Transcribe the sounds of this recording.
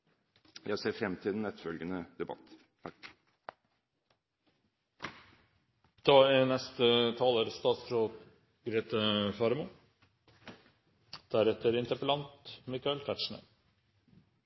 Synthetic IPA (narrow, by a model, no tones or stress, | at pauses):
jæɪseːɾfɾɛmt̪ʰɪld̪ɛn̩ːɛt̪fœlɡənəd̪̥ɛbɑ̰t̪ː | d̪̥ɑːænɛst̪ət̪ʰɑːləːɾəst̪ɑːt̪sfɾok | ɡɾeːt̪əfɑːɾmu | d̪̥æɾɛt̪əɾɪnt̪əɾpəlɑnt̪mɪkɑɛlt̪ʰæʈʂɳə̰